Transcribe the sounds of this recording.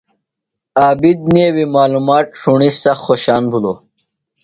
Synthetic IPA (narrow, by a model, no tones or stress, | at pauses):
aːbid̪̚newimaːlumaːʈ̚ʂʰuɳist̪ɐxxoɕaːnbʱuloː